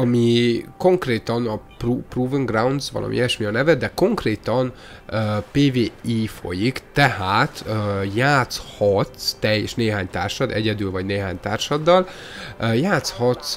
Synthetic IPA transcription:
ɒmiko̞ŋkreːt̪ɒnɒprupruːviŋɡrawnd̪zʋɒ̰lʔɒ̰mʔḭɛʃmiɒnɛvɛd̪ɛko̞ŋkreːt̪ɒn | øpeːveːiːfo̞̰jikt̪ɛhaːt̪ːjaːt̪shɒt̪st̪ɛjːɛʃneːɦaːɲt̪a̰ːrʃɒd̪ɛ̰ɟɛd̪ylvɒɟneːɦaːɲt̪aːrʃɒd̪ːɒl | jaːt̪shɒt̪s

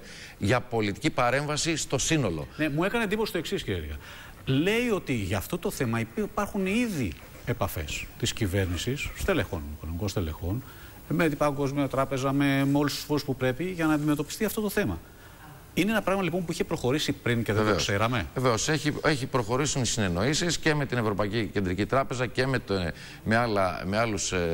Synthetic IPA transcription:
ʝɐpo̞lit̪icipɐɾe̞ɱvɐsist̪o̞sino̞lo̞̰ne̞mue̞kɐneːnd̪iposi̥st̪o̞e̞ksisciɾieʝɐ̰ | le̞io̞t̪iʝɐft̪o̞t̪o̞θe̞mɐipɐɾxuniði | e̞pɐfḛst̪iscive̞ɾnisisːt̪e̞le̞xo̞̰niko̞nomiko̞st̪e̞le̞xo̞n | met̪ipɐŋɡo̞zmiot̪ɾɐpe̞zɐme̞meo̞lust̪u̥sfo̞ɾuspupɾe̞piʝɐnɐːnd̪ime̞t̪o̞pi̥st̪iɐft̪o̞t̪o̞θe̞mɐ̰ | ineenɐpɾɐɣmɐlipo̞mpuiçepɾo̞xo̞ɾisipɾince̞ðeose̞ɾɐme̞eveoseçieçipɾo̞xo̞ɾisionisine̞no̞isisce̞me̞t̪ine̞vɾo̞pɐicice̞nd̪ɾicit̪ɾɐpe̞zɐce̞met̪ | mealɐ̰mealus

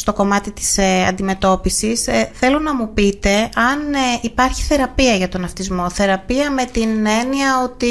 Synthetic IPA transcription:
st̪o̞ko̞mɐt̪it̪i̥sɐ̰nd̪ime̞t̪o̞pisisθe̞lo̞nɐmupit̪e̞ɐnipɐɾçi̥θe̞ɾɐpiɐʝɐt̪o̞nɐft̪izmo̞θe̞ɾɐpiɐme̞t̪ine̞niɐo̞t̪i

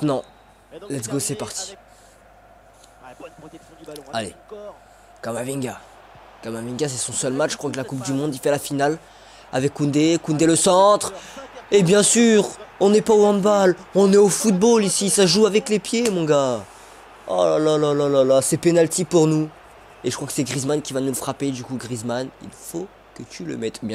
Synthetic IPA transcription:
ɛt̪nɑ̃ | lɛt̪sɡosɛpaʁt̪i̥ | alḛ | kamavĩŋɡa̰ | kamavĩŋɡas̬ɛsɔ̃sœlmatt͡ʃːkχwaklakup̚d̪ymɔ̃d̪ifɛlafinal | a̰vɛkːũnd̪ekũnd̪eləsɑ̃t̪χebjɛ̃syʁɔ̃nɛpaoɛ̃d̪balɔ̃nɛofut̪̚bolisisaʒuavɛklepjemɔ̃ɡa | ɔ̰lalalalalalasɛpenalt̪ipuʁnu | eʒəkχwakə̥sɛɡʁizmankʲivanuləfχaped̪ykuɡʁizmanḭlfo | kət̪ʰylə̰mɛt̪bjɛ̃

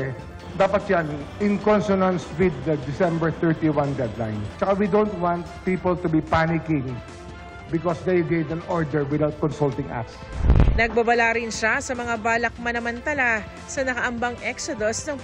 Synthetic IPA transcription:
d̪aːpɐt̪̚janʔɪŋkɔnsɔnɐnswɪd̪ːɐd̪ɪsɛ̃mbɛɹt̪ɛɹt̪iwãnd̪ɛd̪la̰jnt͡ʃɐkawid̪ont̪wãnt̪̚piːpolt̪ubipanɪkɪ̃ŋ | bɪkɔsd̪ejɡejd̪ɐ̃nɔɹd̪ɛɹwɪd̪awt̪̚kɔnsult̪ɪ̃ŋʔa̰ksnɐɡ̚bɐbɐlaɾɪnʃasɐmɐŋabaːlɐk̚mɐnɐmɐnt̪ɐla | sɐnɐkɐʔɐmbaŋʔɛksod̪osnɐŋ

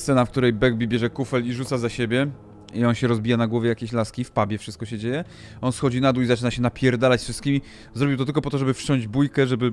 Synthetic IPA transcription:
st̪sɛnafk̚t̪uɾɛjbɛɡ̚bʲibʲjɛʐɛkufɛliʐut̪sazaɕebʲjɛ | iɔnɕɛɾɔzbʲijanaɡwɔvʲjɛjakʲeɕlaskʲifpabʲjɛfʂɘst̪̚kɔɕɛd͡ʑejɛ | ɔnsxɔd͡ʑinad̪uizat͡ʂɘnaɕɛnapʲjɛɾd̪alat͡ɕsfʂɘst̪̚kʲimʲi | zɾɔbʲiwt̪ɔt̪ɘlkɔpɔt̪ɔʐɛbɘft͡ɕɔ̃ɲ̃d͡ʑbujkɛʐɛbɘ

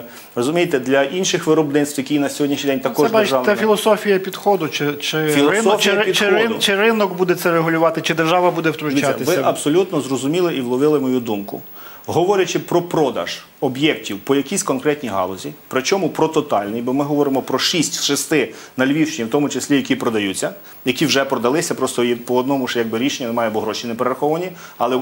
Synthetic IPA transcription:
rɔzʊmʲijet̪ɛd̪lʲɐʔinʃɪxʋɪɾɔbnɪt̪st̪jɐkʲijnɐsʲɦɔdʲiʃnʲid̪ɛnʲt̪ɐkɔdb̪ʒɑʋnɛfʲilˠɔsɔfʲijɐpʲid̪xɔd̪ʊt͡ʃɪt͡ʃɪfʲilˠɪɔɔft͡ʃʲijɐpʲidt͡ʃ̪ɪɪʊt͡ʃɪrɪnɔkbud̪ɛt̪sɛɾeɦʊlʲʊʋɑt̪ɪt͡ʃɪd̪erʒɑʋɐbud̪ɛwt̪ɾʊʋisaɐ̰ɪʋɪ̰ʔɐbsɔlʲut̪nɔzrɔzʊmʲilˠɪʔiwlˠɔʋɪlˠɪmɔjud̪umkʊ̰ | ɦɔʋɔɾʲjɐt͡ʃɪpɾɔpɾɔd̪ɐ̰ʒ̥ | ɔbjɛktʲiwpɔjɐkʲisʲkɔnkɾɛt̪ʲnʲiɦɑ̰lˠɔzʲipɾɪt͡ʃɔmʊpɾɔt̪ɔt̪ɑlʲnɪjbɔmɪɦɔʋɔɾɪmɔpɾɔʃisʲt̪ʲʃɪst̪ɪnɐlʲʋʲiwʃt͡ʃɪnʲiwt̪ɔmʊt͡ʃesʲlʲijɐkʲipɾɔd̪ɐjut͡sʲːɐ | jɐkʲiwʒɛpɾɔd̪ɐlˠɪsʲɐpɾɔst̪ɔjipɔɔd̪̚nɔmʊʃjɐɡ̚bɪɾʲiʃenʲːɐnemɑjɛbʊɦɾɔʃinepeɾeɾɐxɔʋɐnʲiɐlˠɛ

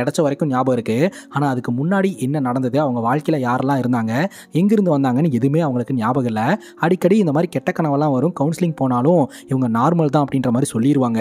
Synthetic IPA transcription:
ɛɽɐt͡ʃːɐʋɐɾɐɪkːɯ̃njaːbɐɣɪɾɯkːɯ | aːnaːɐðɯkːɯmʊnːaːɽiʔɛnːɐnɐɽɐnd̪ɐðɯɐʋɐŋɡɐʋaːɻkɐɪlɐjaːɾɛlːãːɪɾɯnd̪aːŋɡɐ | ɛŋɡɪɾɯnd̪ɯʋɐnd̪aːŋɡɐnːɯɛðɯmeːɐʋɐŋɡɐɭɯkːɯnɪjaːbɐɣɐlːɐ | ɐɽɪkːɐɽiɪnd̪ɐmaːd̪ɾikɛʈːɐkːɐɳɐʋɐlːãːʋɐɾɯ̃kɐʊnsɪlɪŋpoːnaːlʊ̃ | ɪʋɐŋɡɐnaːɾmɐlt̪̬ãːɐpːɐɽɪnrɐmaːd̪ɾisɔlːɪjɪɾɯʋaːŋɡɐ

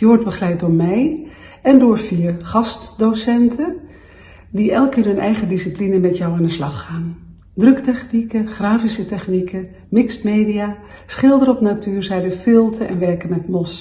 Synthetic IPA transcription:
jɔɔɹd̚bəχlɛjt̚dʊːɹmɛj | ɛndʊːɹfiːɹχɑstdosɛntʰə | diʔɛlˠkɪːrɦɵnʔɛ̰jχədisiplinəmɛtjɔwaːndəslɑχːaːn | drɵktɛχnikəχraːfisətɛχnikə | mɪksmejdijaː | sχɪlˠdəɾəɔpnatyːɹzɛjdəfɪlˠtʰəʔɛ̰nʋɛɹkənmɛtmɔs

